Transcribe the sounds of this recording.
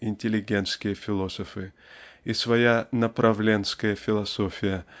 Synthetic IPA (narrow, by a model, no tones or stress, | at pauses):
ɪnʲtʲɪlʲɪɡʲent̪skʲɪjəfʲɪlˠosəfɨ | isvɐjanəpɾɐvlʲe̞nskəjəfʲɪlˠɐsofʲɪjə